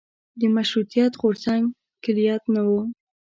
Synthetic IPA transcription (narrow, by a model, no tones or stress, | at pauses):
d̪əmaʃɾut̪ijat̪ɣoɾzaŋɡ | kɪlijɑt̪nawu